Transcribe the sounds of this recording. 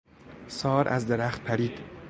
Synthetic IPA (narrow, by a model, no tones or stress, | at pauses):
sɒːɾæzd̪eɾæxt̪̚pʰæɾiːd̪̥